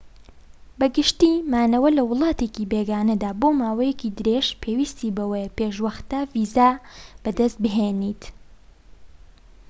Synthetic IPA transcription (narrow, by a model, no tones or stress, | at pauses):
bɐɡɨʃt̪imaːnɐwɐlɐwʊlˠɑːt̪eːkiːbeɡaːnɐd̪aːboːmaːwɐjɛkid̪ɨɾeʃpʰeːwiːst̪iːbɐwejpeːʃwɐxt̪aviːzab̥ɐd̪ɐst̪̚bɨɦeniːt̪